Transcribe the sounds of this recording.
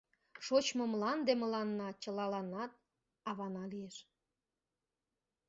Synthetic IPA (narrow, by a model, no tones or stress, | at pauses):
ʃot͡ɕmomlɑnd̪eməlɑnːɑt͡ɕəlɑlɑnːɑt̪̚ | ɑβɑnɑlieʃ